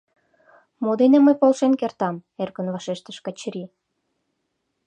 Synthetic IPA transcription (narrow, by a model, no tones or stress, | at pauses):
mod̪enĕməjpolʃenkert̪ɑmerkənvɑʃeʃt̪ə̆ʃkɑt͡ɕɾi